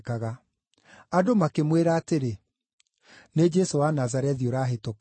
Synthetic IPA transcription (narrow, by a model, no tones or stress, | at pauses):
kaɣa | adomakemweɾaːteɾe | ned͡ʒɛsowanazaɾɛðioɾaːɦeto